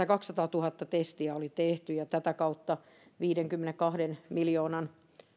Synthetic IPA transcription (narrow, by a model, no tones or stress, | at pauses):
ækɑkssɑt̪ɑːt̪uhɑt̪ːɑt̪est̪iæolit̪eht̪yjɑt̪æt̪ækɑut̪ːɑ | ʋiːdeŋkymːenekkɑhdenmiljoːnɑn